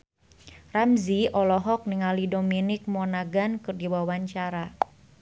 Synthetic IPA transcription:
ramziɔlɔɦɔk̚nɪŋalidominɪk̚mɔnaɡankɨrdiwawaɲt͡ʃaɾa

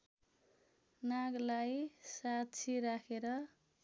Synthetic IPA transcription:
naɡlajsatt͡sʰiɾakʰeɾʌ

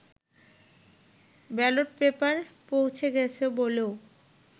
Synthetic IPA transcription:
bɛloʈ̚pepaɾpowt͡ɕʰeɡɛt͡ɕʰeboleo

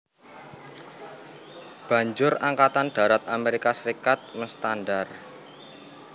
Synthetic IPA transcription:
b̥a̤ɲd͡ʒʊɾaŋkat̪anɖ̥a̤ɾat̪ameɾikasəɾikat̪̚məst̪andar

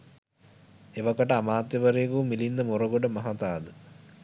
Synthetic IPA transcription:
eʋɐkɐʈəamaːt̪jəʋəɾeːkumilind̪əmoɾəɡoɖəmɐɦat̪aːd̪ə

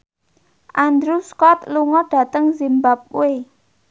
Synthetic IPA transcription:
ʔand̪ɾuskɔt̪̚luŋɔɖ̥ä̤t̪əŋzimbap̚we

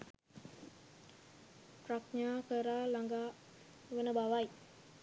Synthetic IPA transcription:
pɾak̚ɲakəɾalaŋɡa | wənəbawaj

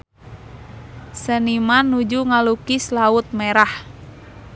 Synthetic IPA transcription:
sənimanːud͡ʒuŋalukislaut̪̚mɛɾah

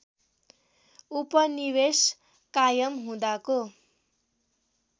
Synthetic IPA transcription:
upʌniwes | kajʌmɦũd̪ako

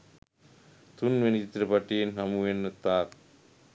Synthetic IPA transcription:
t̪unʋeniit̪ɾəpɐʈiːnɦɐmuʋenːət̪aːk

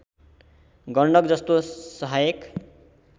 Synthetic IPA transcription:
ɡʌɳɖʌkd͡zʌst̪osʌɦajek

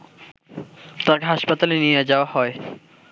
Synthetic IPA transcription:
t̪aɾkeɦaʃpat̪alenijed͡ʑaoahɔe

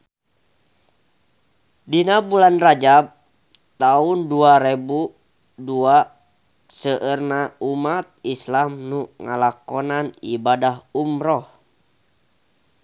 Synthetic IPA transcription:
dinabulanrad͡ʒab̚ | t̪aunduaɾebu | dua | səʔərnaumat̪̚islamnuŋa̰lakɔnanibadahumɾɔh

